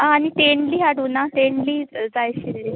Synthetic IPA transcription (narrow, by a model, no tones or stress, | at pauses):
aːnit̪eɳɖliːɦaɽuːnat̪eɳɖliːd͡zajɕiɾe